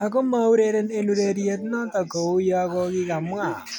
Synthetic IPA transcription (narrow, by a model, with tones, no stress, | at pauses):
a˨ko˦ma˦u˦ɾe˦ɾe˦ne˦nu˦ɾe˨ɾje˦t̪nɔ˦ta˨ko˨o˦jɔ˦a˦ɣɔ˦ɣi˦ɣa˨mwa˨